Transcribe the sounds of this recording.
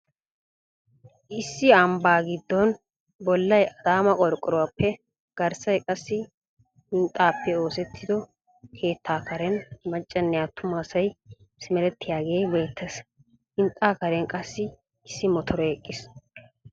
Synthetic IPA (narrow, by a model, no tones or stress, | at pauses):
ʔɪsːɪɐmbaːɡɪd̪ːɔn | bɔlːɐjɐd̪aːmɐkʼɔɾkʼːɔɾɔwapːɛ | ɡ̥ɐɾsɐjkʼɐsːɪ | hɪnt̪ʼːaːpːɛoːsɛt̪ʰːɪd̪ɔ | kʰe̞ːt̪ːaːkɐɾɛnmɐt͡ʃʼːɐnːɛjaːt̪ʰːʊmaːsɐj | sɪmɛɾɛt̪ːɪjaːɡe̞ːbeːt̪ʰːɐs | hɪnt̪ʼːaːkɐɾɛnkʼɐsːɪ | ɪsːɪmɔt̪ʰɔɾɔɛkʼːɪs